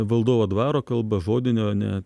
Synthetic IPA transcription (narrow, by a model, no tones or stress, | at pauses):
ʋɐlˠd̪oːʋoːd̪ʋɑːɾoːkɐlˠbɐʒoːd̪ʲɪnʲoːnʲɛ̰